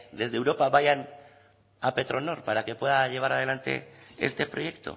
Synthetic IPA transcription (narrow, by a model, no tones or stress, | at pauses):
d̪e̞zðewɾo̞paβajan | ape̞t̪ɾo̞no̞ɾpaɾake̞pwe̞ðaʎe̞β̞aɾað̞e̞lant̪e̞̰est̪e̞pɾo̞je̞kt̪o̞̰